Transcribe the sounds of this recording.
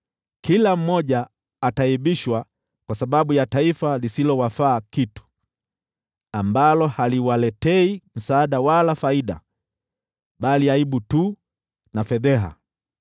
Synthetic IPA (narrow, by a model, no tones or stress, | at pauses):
kilam̩mɔʄaː | taiɓiʃwa | kwasaɓaɓujataifalisilɔwafaːkitu̥ | ambalɔhaliwalɛtɛim̩saːɗawalafaiɗa̰ | ɓaliaiɓutuː | nafɛðɛɦa̰